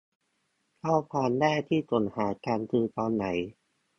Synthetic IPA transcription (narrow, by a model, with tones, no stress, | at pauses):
kʰa˥˩pʰaː˧ndaː˥˩jt̪ʰiː˥˩t͡ɕo˩˦nhaː˩˦kaː˧nt̪ʰɯː˧t̪ɔː˧nːa˩˦j